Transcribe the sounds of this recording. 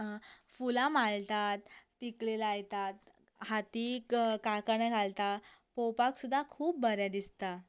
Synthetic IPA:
fulãmaɭt̪at̪ː | iklelaajt̪at̪ | hat̪ikkakəɾɳɛɡʱalt̪apowpaksud̪ʱːakʰuːpbəɾjad̪ist̪a

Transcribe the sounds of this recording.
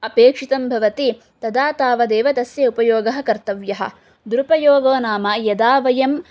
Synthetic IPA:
ɐpeːkʂit̪ɐmbʱɐʋɐt̪i | t̪ɐd̪aːt̪aːʋɐd̪eːʋɐt̪ɐsjɐupɐjoːɡɐɦɐkɐɾt̪ɐʋjɐɦɐ̰̆ | d̪uɾupɐjoːɡoːnaːmɐjɐd̪aːʋɐjɐm

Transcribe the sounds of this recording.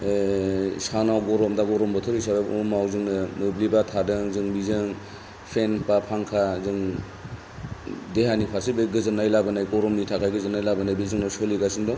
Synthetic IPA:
sanawɡɔɾɔmdaɡɔɾɔmbɔtʰɔɾisabaumawzɯŋnɯnɯblibatʰadɯŋzɯŋbizɯŋ | pʰenpapʰaŋkʰazɯŋ | deɦanipʰaɾsibɯɡɯzɯnajlabɯnajɡɔɾɔmnitʰakʰajɡɯzɯnajlabanajbizɯŋnɔsoliɡasindɔ

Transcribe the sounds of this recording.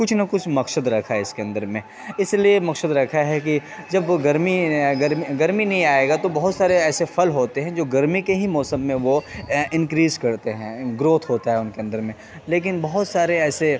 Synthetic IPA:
kʊt͡ʃʰnɐkʊt͡ʃʰmɐkʃəd̪ɾɐkʰaɦɪskeɐ̃nd̪əɾmẽ | ɪsliemɐksəd̪ɾɐkʰaɦɛk̬id͡ʒɐbɡɐɾmiɡɐɾmiɡɐɾminɐɦĩaːeːɡat̪obɐɦʊt̪saːɾeɛːsefʰɐlɦoːt̪eɦɛ̃d͡ʒoːɡɐɾmikeɦimɔːsə̃mːẽʋoɪ̃nkɾiːzkɐɾt̪eɦɛ̃ɡɾoːt̪ʰɦoːt̪aɦɛʊnkeɐ̃nd̪əɾmẽ | leːk̬ɪnbɐɦʊt̪saːɾeɛːse

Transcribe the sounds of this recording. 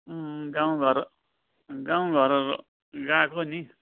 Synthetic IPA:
ɡãw̃ɡʱʌɾ | ɡãw̃ɡʱʌɾʌ | ɡakoni

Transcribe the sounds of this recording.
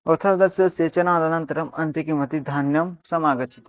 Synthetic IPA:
ɐt̪ʰɐd̪ɐsjɐseːt͡ʃɐnãːd̪ɐnɐ̃nt̪ɾɐmɐ̃nt̪ikimɐt̪id̪ʱaːnjɐmsɐmaːɡɐt͡ʃi̥t̪

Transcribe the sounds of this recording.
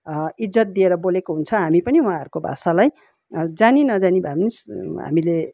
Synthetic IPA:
id͡zʌt̪̚d̪ieɾʌbolekoɦunt͡sʰʌɦamipʌniuɦãɦʌɾukobʱa̰salaj | d͡zaninʌd͡zanibʱabnisɦa̰mile

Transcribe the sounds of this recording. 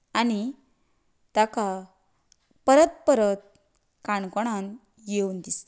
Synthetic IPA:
ani | t̪aka | pəɾət̪̚pəɾət̪̚ | kaɳkɔɽ̃an | jeund̪ist̪

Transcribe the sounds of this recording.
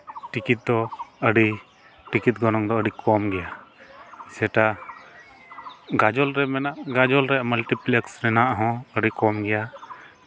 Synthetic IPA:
ʈikit̪̚d̪ɔəɖi | ʈikit̪̚ɡɔnɔŋd̪ɔəɖikʰɔmɡɛja | sɛʈa | ɡad͡ʒɔlɾɛmɛnaʔɡad͡ʒɔlɾɛməlʈiplɛksɾɛnaʔɦɔ̃əɖikɔmɡɛja

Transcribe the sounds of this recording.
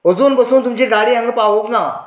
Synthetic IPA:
ɦʊzuːnbɐsõːnt̪ʊmd͡ʑeːɡaːɽiːɦə̃ŋɡpaːɦoːknaː

